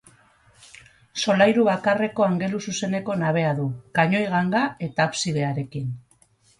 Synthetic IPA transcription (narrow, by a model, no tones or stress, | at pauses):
so̞lajɾuβakare̞ko̞aŋɡe̞lususe̞ne̞ko̞naβ̞e̞aðukaɲo̞jɣaŋɡae̞t̪aːpsiðe̞aɾe̞kin